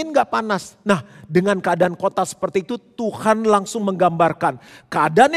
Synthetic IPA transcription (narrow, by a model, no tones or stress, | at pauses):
ɪnɡaʔpanasnahdəŋankəadankot̪asə̥pərt̪iːt̪ut̪uhanlaŋsʊŋməŋɡambarkankəadan